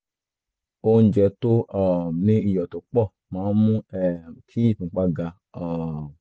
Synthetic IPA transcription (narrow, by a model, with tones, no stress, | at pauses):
o˧n̩˦d͡ʒɛ˧to˦ɔ˨nĩ˦i˦˨jɔ˨to˨˦k͡pɔ˦˨ | mãː˨˦mũ˦ɛ˨kʰi˦i˦˨pũ˨˦k͡pa˧ɡa˧ | ɔ˨